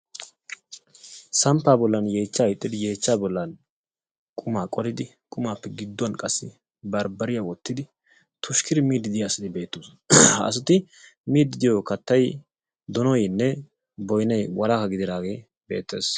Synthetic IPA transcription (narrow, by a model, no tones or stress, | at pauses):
sɐmpːaːbɔlːɐnje̞ːt͡ʃːaːjɪt̪ʼːɪd̪ɪje̞ːt͡ʃːaːbɔlːɐn | kʼʊmaːkʼɔlɪd̪ɪ | kʼʊmaːpːɛɡɪd̪ːɔɐnkʼɐsːɪ | bɐɾbɐɾɪjawɔt̪ːɪd̪ɪ | t̪ʰʊʃkɪɾɪmiːd̪ɪd̪ɪjaːsɐt̪ɪbe̞ːt̪ːos | ɐ̰s̬ʊt̪ɪ | miːd̪ɪd̪ɪjokɐt̪ːɐj | d̪ɔnɔjnːɛ | bɔjnɐjwɐlaːkɐɡɪd̪ɪd̪aːɡe̞ː | be̞̰ːt̪ːḛːs